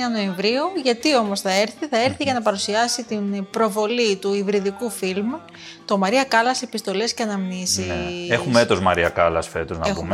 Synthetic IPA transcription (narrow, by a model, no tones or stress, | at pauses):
ɐno̞eɱvɾiuʝɐt̪io̞mosθɐe̞ɾθiθɐe̞ɾθiʝɐnɐpɐɾusiɐsit̪inpɾo̞vo̞lit̪uivɾiðikufilm | t̪o̞mɐɾiɐkɐlɐsepist̪o̞le̞sceɐnɐmnisiexumet̪o̞zmɐɾiɐkɐlɐ̰sfe̞t̪oznɐexpṵm